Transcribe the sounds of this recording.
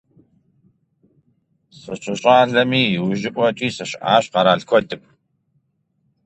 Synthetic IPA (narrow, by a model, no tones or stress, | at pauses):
sɨɕʼʊɕʼaːɮɐmiːwʊʒɪkʷʼɔt͡ʃʼiːsɐɕʔa̰ːɕqɑɾaːɮkʷʰɔdɨp̚ʷʰʼ